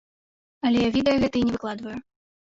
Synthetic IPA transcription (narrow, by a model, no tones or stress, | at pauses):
ɐlʲɛjavʲɛd̪ɐjuɣɛt̪ɐinʲɛvɨklˠad̪vɐju